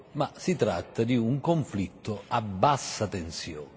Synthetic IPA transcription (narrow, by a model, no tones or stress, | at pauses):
masit̪ɾa̰t̪ːad̪iuŋkoɱflit̪ːoabːasːat̪ensjɔ̰ːn